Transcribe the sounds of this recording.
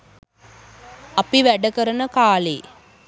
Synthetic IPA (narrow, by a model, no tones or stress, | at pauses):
ɐpiʋæɖəkəɾənəkaːleː